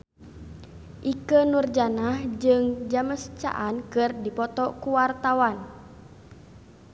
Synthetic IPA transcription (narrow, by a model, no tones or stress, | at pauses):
ʔikənurd͡ʒanahd͡ʒɨŋd͡ʒaməst͡ʃa̰ʔankɨrdipɔt̪ɔkuwart̪awan